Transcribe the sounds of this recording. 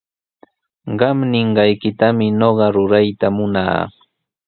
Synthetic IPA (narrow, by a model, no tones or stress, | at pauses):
ɢɑmnɪɴɢɑjkɪt̪amɪnoɢɑɾʊɾajt̪amʊna̰ː